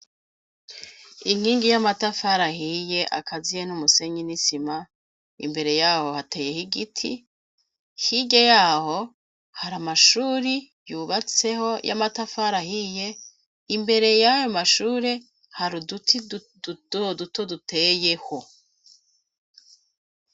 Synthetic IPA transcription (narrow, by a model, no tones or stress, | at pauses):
iŋ̥hiːŋɡijamatafaɾahije̞ʔa̰kʰazijenumuse̞ɲinisima | ḭmbe̞ɾe̞jaːho̞hate̞ːje̞hiɡitʰi | hiɟejaːho̞ | haɾamaʃuːɾi | juːβat͡se̞ho̞jʔa̰matafaɾahije̞ | imbe̞ɾe̞jajomaʃuːɾe̞ | haɾudutʰi̥ | ud̥duto̞dutʰe̞je̞ho̞